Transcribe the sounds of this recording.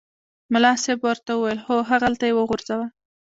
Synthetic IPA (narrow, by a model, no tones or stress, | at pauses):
mʊlɑsebwəɾt̪awuwajəlxoɦaɣalt̪ajewəɣʊɾz̥awa